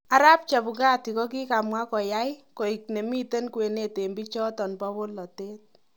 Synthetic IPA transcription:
a˦ɾa˦p̚t͡ʃa˨bu˨ka˦ti˨kɔ˦ki˦ka˨mwa˦kɔ˨ja˦jko˨i˨k̚ne˨mi˦te˦nkwe˨ne˨te˨mbi˦t͡ʃɔ˦tɔ˨npɔ˦bo˦lɔ˨te˦t̚

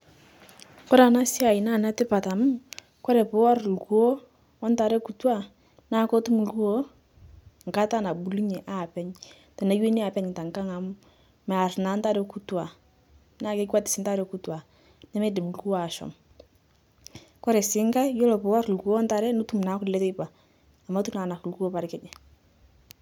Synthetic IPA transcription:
kɔ˦ɾa˨na˦si˦a˨i˨na˦˨na˦tɪ˦pa˨ta˨mu˦ | kɔ˦ɾɛ˨po˨˦a˦ɾlkuoː˦ | nta˨ɾɛ˦ku˨twa˦ | na˦˨ko˦tu˦mu˨lu˦o˦ | ŋ˨ka˦ta˦˨na˨bu˨lu˦ɲe˨ʔa˦˨pɛ˦ɲ | tɔ˨na˨˦jwe˦ni˦a˨pɛ˦ɲ˨ta˨ŋka˦ŋa˨mu˦ | mɛ˨a˨rna˨˦nta˦ɾɛ˦ku˦twa˨ | na˦ke˦ka˦tɪ̥˨sɪ˨˦nta˦ɾɛ˦ku˦twa˨ | nɛ˦mɛ˦dɪ˨mu˨lu˦o˦a˨ʃɔ̰˨m | kɔ˦ɾɛ˨sɪ˦ŋka˦jo˦lɔ˨pʊ˨wa˦ɾlkoː˦nta˨ɾɛ˦nʊ˦tu˦m˨na˨˦kʊ˨lɛ˦tɪ˦pa˨ | a˨ma˦tu˦na˨na˨klko˦pa˨ɾkɛ˦d͡ʒɛ˨

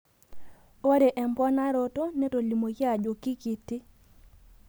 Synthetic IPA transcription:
a˦ɾe˨ʔɛ˨mpɔ˦na˦ɾo˦to˦ne˦to˨li˨mo˨ki˦a˨d͡ʒo˨ki˦ki˨tɪ˦

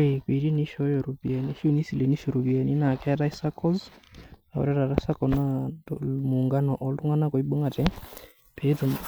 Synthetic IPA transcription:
e˨ki˨ɾi˦ni˦ʃɔ˦jɔ˨ɾu˨bi˨ɛ˨ni˦ʃi˦o˦˨ni˦si˨le˨ni˦ʃɔ˨ɾu˨bi˨ɛ˨ni˦na˨kɛ˦ɾa˦i˦sa˦kɔ˦z | a˨o̰˨ɾɛ˦ɾa˨ɾa˦sa˦kɔ˨na˦ | mu˨ŋɡa˦nɔ˨ʔɔ˨ltu˦ŋa˦na˦kɔ˨i˦ɓu˦ŋa˨tɛ˦ | pʰe˦tu˨

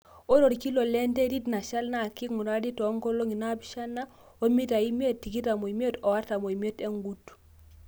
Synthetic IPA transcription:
o˦ɾo˨ɾki˦lo˨le˦nte˦di˦tna˨ʃa˦lna˦˨ki˦ŋu˨ɾa˦di˦tɔ˨˦ŋko˦lo˦ŋi˨na˦bi˨ʃa˦na˦ | o˦mi˦ta˨i˦mi˦e˦ttːi˨ki˦ta˨mo˨i˨m˦e˦tɔ˨wa˦ɾta˨mo˨i˨m˦e˦te˦ŋɡu˦t

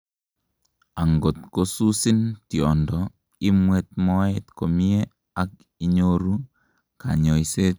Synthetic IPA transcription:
a˨ŋɡo˨tkosu˦si˦ntjɔ˨ndɔ | i˦mwɛt̚mɔ˦etko˨mi˦e | ak̚ | i˦ɲoɾu˦ | ka̰˨ɲɔ˨jse

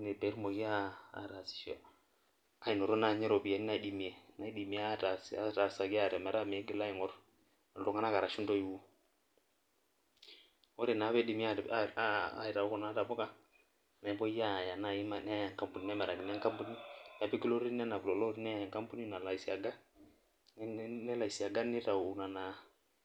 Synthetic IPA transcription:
ne˨be˨˦ɾmo˨ɡi˦a̰ː˦˨ɾa˨si̥˨ʃɔ̰˨ | a˨i˨nɔ˨ɾo˦na˦˨ɲɛ˦ɾɔ˨pi˨ja˨ni˦na˨di˦mi˨e˨na˨i˦di˨mi˨˦a˦ta˨sa˦ta˨sa˨ki˦a˦˨ɾɛ˨mɛ˨ɾa˦me˨˦ɡɪ˦la˦i˨ŋɔ˦r | ɔ˨dɔ˨ŋa˦na˦ka˨ɾa˨ʃu˦ndo˦ji˨wu˦ | ɔ˦ɾɛ˨na˨˦bɛ˦di˨mi˦a˦˨˦a̰˨i˨ta˨ʊ˦kɔ˨na˨˦ta˨bɔ˦ka˦ | na˨i˨bɔ˦ja˦˨ja˨na˦˨i˦ma˦˨nɛ˦a˨ŋka˨mpu˨ni˨nɛ˦mɛ˨ɾa˨ɡɪ˨n˦a˦ŋka˦mpo˦ni˦na˨pɛ˦ki˦lo˦ɾi˦nɛ˦na˨blɔ˨lɔ˦ɾnɛ˦˨ŋka˦mpu˦ni˦na˨la˨i˨si˨a˨ɡa˦ | nɛ˦la˨i˨si˨a˨ɡa˦nɪ˦ta˨u˨na˨na˨

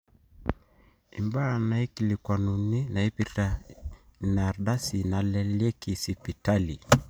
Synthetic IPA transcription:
i˨mbaː˦˨na˨i˦ki˨li˨kwa˨nu˨ni˦na˨i˦pia | na˨ɾɗa˦si˨na˨lɛ˨lɛ˦ki˨si˨pi˨ta˦li˨

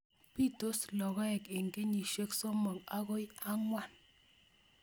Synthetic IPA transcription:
pi˦˨to˦slɔ˨ɣɔ˦ɛ˨kɪ˨ŋɡe˦ɲi˨ʃe˦kso˦mɔ˨ka˦ɣo˦ja˦ŋwa˦˨n

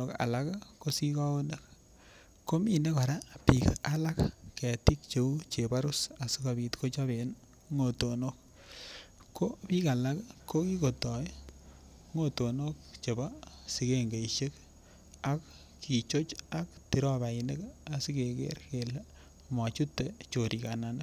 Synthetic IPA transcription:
oka̰˨lakko˦si˦ka˦o˦ne˦k | kːo˦mine˦ka˨ɾa˦pikala˦kkɛ˨ti˦k̚t͡ʃe˨u˦t͡ʃepa˦ɾu˦sa˨si˦ka˨bi˨tko˦t͡ʃa˦be˨n | ŋo˨tonok̚ | kːo˦pi˦ka˨la˦kkʰo˦ki˦ko˨tɔ˨j | ŋo˦to˨no˦k̚t͡ʃe˨basi˨ke˦ŋɡe˨iʃe˦k | ak | ki˨t͡ʃo˦t͡ʃakti˨ɾɔ˦βa˨ine˦ka˨si˦kekḛ˦ɾkel | ma˨t͡ʃu˦tːet͡ʃoɾʔi˨kanane˦k

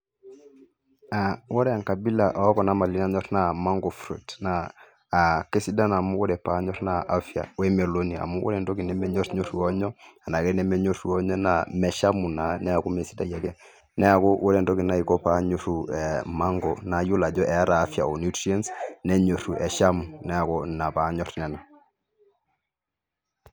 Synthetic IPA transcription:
a˨wɔ˦ɾɛ˦a˨ŋka˨bi˦la˨ʔɔ˨˦kɔ˨na˦ma˨li˦n˦a˨ɲɔ˦ɾna˦˨ma˦ŋɡɔ˨fɾṵ˨tnaː˦˨ | ke˦si˦da˦na˨mu˦wɔ˦ɾɛ˨pa˨˦ɲɔ˦ɾna˦ʔa˦fja̰˨wɛ˦mɛ˨lo˦ni˨a̰˨mu˦wɔ̰˦ɾɛ˨ndo˦ki˨nɛ˦mɛ˦ɲo˦ɾɲo˦ɾu˨ɔ˦ɲɔ˦a˨na˨kɛ˦nɛ˦mɛ˦ɲo˦ɾu˨ɔ˦ɲɔ˦na˦mɛ˨ʃa˦mu˨na˨nɛ˦a˨ku˦me˨si˦da̰˦ja˨kɛ˦ | nɛ˦a˨kɔ˦wo˦ɾɛ˨ndɔ˦ki˨na˦i˨kɔ˦pa˦ɲo˨ɾu˨ɛ˨ma˦ŋɡɔ˨na˨ju˦la˨d͡ʒɔ˦ʔɛ˨a˦ɾaː˨˦fja̰˨ɔ˨nu˦tɾi˦ɛ˦nsnɛ˦ɲo˨ɾu˨ɛ˨ʃa˦mu˨nɛ˦a˨kɔ˦na˨pa˨˦ɲɔ˦ɾnɛ˨na˨

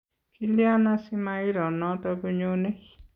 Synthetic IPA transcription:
kʰi˦li˦a˦nã˦si˦ma˧˦i˦ɾɔ˨nɔ̃˨˦tɔ˧bu˧ɲo˦ne˦˨

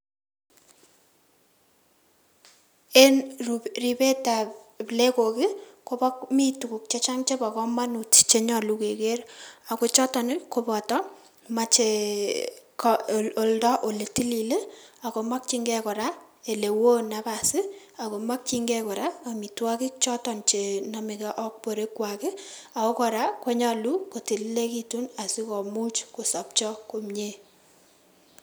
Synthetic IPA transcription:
e˦nrri˨pe˦ta˨ | ple˦ko˨kɪ˦ko˦bɔ˦kmi˦tu˨ku˨k̚t͡ʃe˦t͡ʃa˦ŋt͡ʃe˦pa˨kɔ˦ma˦nu˨tt͡ʃe˨ɲɔ˨lu˦ke˨ke˦ɾa˨ko˦t͡ʃɔ˦tɔ˨nɪ˦ko˦bɔ˨tɔ˦ | ma˨t͡ʃe˨ | ko˨ldɔ˦ʔo˨le˨ti˦li˨le˦a˨ko˨ma˦k̚t͡ʃi˦ŋɡɛ˦kɔ˨ɾa˦ | e˨le˨wo˦na˨pa˨sɪ˦ | a˨ko˨ma˦k̚t͡ʃi˦ŋɡɛ˦kɔ˨ɾa˦a˨mi˨twa˦kɪ˦k̚t͡ʃɔ˦tɔ˨nt͡ʃe˨nɔ˦mɪ˨ka˦ʔɔ˦k̚po˨ɾe˦kwa˨kɪ˦a˨ko˦kɔ˨ɾa˦ko˦ɲɔ˦lu˦ko˨ti˨li˦le˦ki˦tu˦na˨si˦kɔ˨mu˦t͡ʃko˨sɔ˨p̚t͡ʃɔ˦ko˨mɲe˦

